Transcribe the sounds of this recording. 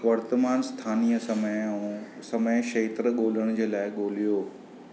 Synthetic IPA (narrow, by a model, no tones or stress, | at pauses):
ʋɐɾt̪əmaːnst̪ʰaːnijəsɐməsɐmeʃeːt̪ɾəɠoːl̤əɽ̃ʊd͡ʑeːlaːɪɠoːlijoː